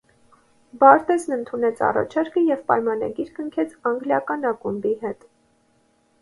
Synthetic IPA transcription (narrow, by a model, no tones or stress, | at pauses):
bɑɾt̪ɛznənt̪ʰunɛt͡sʰɑ̰rɑ̰t͡ʃʰɑɾkəjɛvpɑjmɑnɑ̰ɡiɾkəŋkʰɛt͡sʰɑŋɡljɑkɑnɑkumbiɦɛt̪